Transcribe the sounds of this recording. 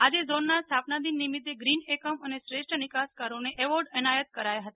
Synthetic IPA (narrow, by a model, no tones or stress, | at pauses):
ad͡ʒezonːast̪ʰapnad̪inːimɪt̪ːeɡɾinekəmənesɾeʃʈənɪkaskaɾoneʔɛʋɔɾɖɛnajət̪̚kəɾajaɦət̪a